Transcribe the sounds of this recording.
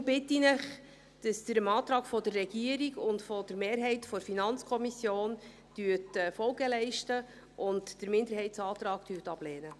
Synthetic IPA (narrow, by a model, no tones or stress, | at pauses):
b̥ɪtːinəχ | d̥ɑsd̥əɾəmɑːt̪ɾɑːkfɔdərːɛɡ̥iəɾiɡʊntfɔdəɾmeːɾɦɛɪtfɔɾfinɑnt͡skʰɔmisjoːn | d̥yːtɛfɔlɡəlɛɪʃtə | ʔʊntd̥əɾmɪndəɾhɛɪtsɑːt̪ɾɑːktyːtɑb̥lɛːnə